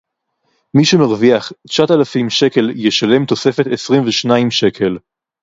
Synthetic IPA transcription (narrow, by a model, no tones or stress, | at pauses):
miʃemaʁviaχt͡ʃat̪alafimʃe̞ke̞ljeʃale̞mt̪o̞se̞fe̞t̪esʁimveʃnaimʃe̞kʰe̞l